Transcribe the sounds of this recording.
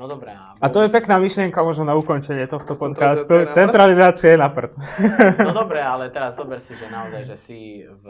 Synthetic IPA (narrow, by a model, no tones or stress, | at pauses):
ɾɛ | at̪ɔjɛpɛknaːmiʃlɪɛŋkamʊɔʒnɔnaukɔnt͡ʃɛɲɪɛt̪ɔxt̪ɔpɔt̪kaːst̪ut͡sɛnt̪ɾalizaːt͡siɛnapr̩t̪ | d̪ɔbɾɛalɛt̪ɛɾazːɔbɛɾsiʒɛnaɔzajʒɛsi